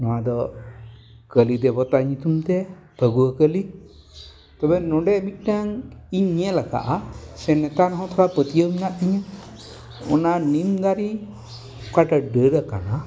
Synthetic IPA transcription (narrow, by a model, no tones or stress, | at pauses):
nɔwad̪ɔ | kəlid̪ɛbɔt̪aɲut̪umt̪ɛ | p̪ʰəɡuəkəli | t̪ɔbɛnɔɖɛmit̪̚naŋiɲɛlaka̰ʔasɛnɛt̪anɦɔ̃t̪ʰɔɾapət̪ijəminaʔt̪iɲə | ɔ̰nanimd̪aɾi | kaʈəɖəɾəka̰na